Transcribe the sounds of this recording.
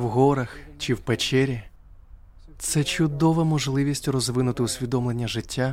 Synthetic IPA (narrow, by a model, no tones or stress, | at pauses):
wɦɔɾɐxt͡ʃɪwpet͡ʃɛɾʲi | t̪sɛt͡ʃʊd̪ɔʋɐmɔʒlˠɪʋʲisʲtʲrɔzʋɪnʊt̪ɪʊsʲʋʲid̪ɔmlˠenʲːɐʒɪtʲːa